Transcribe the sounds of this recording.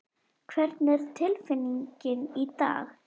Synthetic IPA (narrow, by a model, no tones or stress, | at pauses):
kʰvɛɾt̪nɪɾt̪ʰɪlfɪniŋcɪnit̪a̰ːx